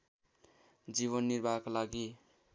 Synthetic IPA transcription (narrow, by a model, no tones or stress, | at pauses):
d͡ʒiβənːiɾbʱakalaɡi